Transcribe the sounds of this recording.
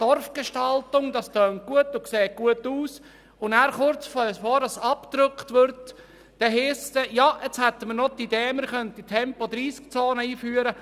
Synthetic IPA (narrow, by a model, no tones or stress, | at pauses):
d̥ɔrfɡ̥eʃtɑltʊŋd̪ɑst̪øːnt̚ɡ̥uətʊkseːt̚ɡ̥uətuːs | ʊnæːɾχʊɾt͡sfɔəsfɔɾɑsɑpt̪ɾʏkχt̪ʋʏɾtː | ɛɦiːst̪ɛjɑʔet͡shɛt̪ːəmənot̪ideːməɾχœnt̚itʰɛmpɔd̪ɾiːsk̚t͡soːnəiːfyːəɾə